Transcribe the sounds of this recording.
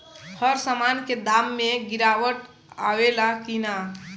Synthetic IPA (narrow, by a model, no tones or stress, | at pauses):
həɾsamanked̪amːeɡiɾawəʈ | awelakina